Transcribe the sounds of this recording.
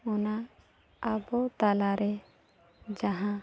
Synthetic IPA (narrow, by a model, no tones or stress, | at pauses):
ʊnaː | bɔt̪alaɾɛ | d͡ʒaɦã